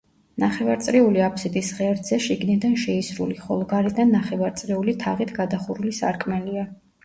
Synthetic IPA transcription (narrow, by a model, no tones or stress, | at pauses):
naχɛvaɾt̪sʼɾiuliapʰʼsid̪isʁɛɾd̪zɛʃiɡnid̪anʃɛisɾṵliχɔlˠɔɡaɾid̪anːaχɛvaɾt̪sʼɾiulit̪ʰaʁit̪ʰɡ̥ad̪aχuɾulisa̰ɾkʼmɛlia